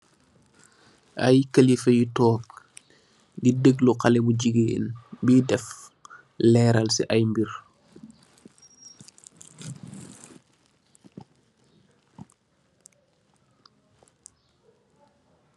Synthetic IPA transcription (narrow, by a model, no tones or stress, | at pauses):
ʔajkəlifɛjitɔːk̚ | didəɡluqalɛbuɟiɡḛnbiːdɛf | lɛɾalsḭʔajmbiɾ